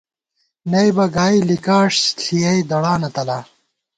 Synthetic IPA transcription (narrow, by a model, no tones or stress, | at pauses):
nɐjbɐɡaːilikaːʂstʰijɐjd̪ɐɽaːnɐt̪ɐla